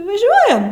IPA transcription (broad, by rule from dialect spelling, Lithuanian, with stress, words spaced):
ʋɐˈʒʲuɔjɛm